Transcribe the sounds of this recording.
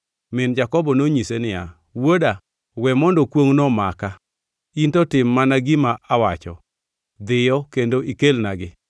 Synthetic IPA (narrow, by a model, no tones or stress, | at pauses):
mɪnd͡ʒakɔbɔnoɲisenɪja | woda | wɛmɔndɔkwoŋnɔmaka | intɔtɪmːanaɡɪmaawat͡ʃɔ̰ | d̪ɪjɔkendoikelnaɡɪ